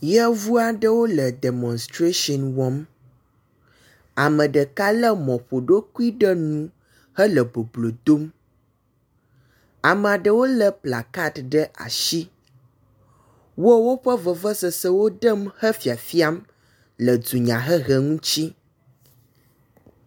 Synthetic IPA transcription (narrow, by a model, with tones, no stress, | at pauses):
jɛ˦vu˦a˨ɖə˦wo˦lə˨ɖe˨mɔ̃˨nst̪ɾe˦ʃɔ˨nwɔ˦m | a˨mə̃˨ɖə˨ka˦lə˦mɔ̃˨ɸo˨ɖo˦ku˦i˦ɖə˦nũ˦ | hə˦lə˨bo˨blo˨d̪o˦m | a˨mə˨a˨ɖə˦wo˦lə˨pla˨ka˦t̪ɖə˦ʔa̰˨ʃi˦ | wo˦wo˦ɸə˦və˨və˦sə˨sə˦wo˦ɖə˦mhə˦fi˨a˨fi˦a˦m | lə˨du˨ɲã˨ɦə˦ɣə˨ŋũ˦t͡ɕi˦